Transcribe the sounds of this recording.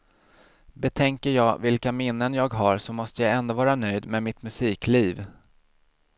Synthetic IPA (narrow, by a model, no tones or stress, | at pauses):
bɛt̪ʰɛŋkəɾjɑːɡvɪlkamɪnːənjɑːɡɦaɾʂɔmɔst̪əjaɛnd̪ovɑːɾanœjd̪meːmɪt̪mɵsiːkliːv